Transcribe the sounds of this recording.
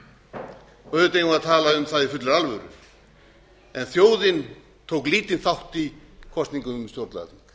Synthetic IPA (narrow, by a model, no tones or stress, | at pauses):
œɥðʏt̪ejɣvaɾt̪ʰaːlaʏmθaðifʏt̪laɾalvœɾʏ̰ | ɛnθjoːwðɪn | t̪ʰoːwkliːt̪ɪnθawht̪ikʰɔst̪niŋkʏst̪jowɾt̪la̰ðɪm